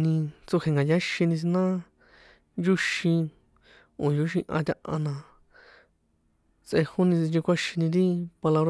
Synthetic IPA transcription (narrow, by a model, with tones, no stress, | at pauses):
nĩ˧t͡su˧he˧ŋɡa˨ja˦ʃi˧nĩ˧s̬i˧nã˦ | nd͡ʒu˦ʃĩ˧ | õ˨ju˨˦ʃ̬ĩ˧ʔã̰˧t̪ʲã˧ʔã̰˧nã˧ | t͡sʔe˧hu˦nĩ˧t͡si˧t͡ʃĩ˧kʷa˦ʃi˧nĩ˧ɾi˦pa˧la˧βɾ